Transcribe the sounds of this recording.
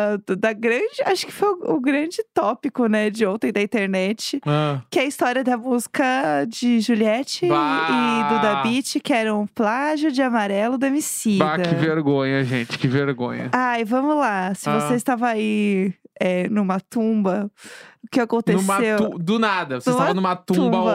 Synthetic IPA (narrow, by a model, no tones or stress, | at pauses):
d̪ɐɡɾɐ̃d͡ʒɪaʃʊ̥kɪ̥fojʊʊɡɾɐ̃d͡ʒɪt̪ɔpikʊnɛd͡ʒɪõt̪ẽj̃d̪ɐĩnt̪eɾnɛt͡ʃɪakɪɐist̪ɔɾiɐd̪ɐmuzikɐd͡ʒɪʒuliɛt͡ʃɪː | d̪ʊd̪abit͡ʃɪkɪɛɾɐ̃w̃ʊ̃plaʒʊd͡ʒɪamaɾɛlʊd̪omisidaɐkɪveɾɡõɲɐʒẽt͡ʃɪ̥kɪveɾɡõ̰ɲɐ̰ajvɐ̃mʊzlasɪvoseɪst̪avɐai | ɛnũmɐt̪ũbɐʊkɪakõnt̪esmewũd̪ʊnad̪ɐsesmɐaɐnũmɐt̪ũũbbɐ